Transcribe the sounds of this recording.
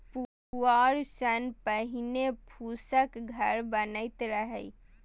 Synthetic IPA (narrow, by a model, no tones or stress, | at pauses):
pu | aɾsənpəɦinepʰusəkɡʱəɾbənəɪt̪ɾəɦɛj